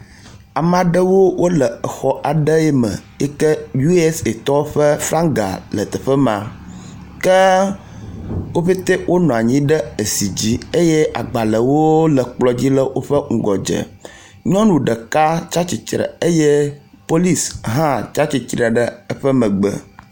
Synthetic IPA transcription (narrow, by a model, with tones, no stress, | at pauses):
a˨mã˨ɖə˦wo˦wʔo˦lə˨ə˨xɔ˦ʔa˨ɖə˦ɛ˦mə̰̃˨jɛ˦kə˦ju˦ɛ˦se˨t̪ɔ˦ɸə˦fɾa˦ŋɡa̰˨lə˨t̪ə˨ɸə˦mã̰˨ | kə˦ | wo˦ɸi˦t̪e˦wʔo˦nɔ̃˨a˨ɲĩ˦ɖə˦e˨si˨d͡ʑi˦e˦jɛ˦ʔa̰˨ɡ͡ba˨lə˨wo˦lə˨k͡plɔ˦d͡ʑi˦lə˦wo˦ɸə˦ŋ̩˨ɡɔ˨d͡ʒə̰˨ | ɲɔ̃˦nũ˨ɖə˨ka˦t͡ʃa˦t͡ɕi˨t͡ʃɾə̰˨ə˦jɛ˦ | po˦li˦sɦã˦t͡ʃa˦t͡ɕi˨t͡ʃɾa˨ɖə˦ə˦ɸə˦mə̃˨ɡ͡bə̰˨